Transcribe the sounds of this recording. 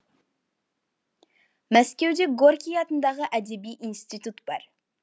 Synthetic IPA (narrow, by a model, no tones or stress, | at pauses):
mæskʲewd̪eɡoɾkʲijɑt̪ənd̪ɑʁəʔæd̪ebijʔinst̪it̪ut̪b̥ɑɾ